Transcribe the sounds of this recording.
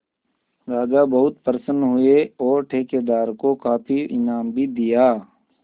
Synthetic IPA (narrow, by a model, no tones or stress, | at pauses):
ɾaːd͡ʒabɐɦʊt̪pəɾəsənɦʊeɔːɾʈʰeːked̪aːɾkokaːpʰiɪnaːmbʱid̪ijaː